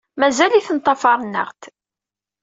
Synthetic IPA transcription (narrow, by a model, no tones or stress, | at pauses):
mæzæliθənt̪ˤːɑfɑɾˤnːə̰ʁt̪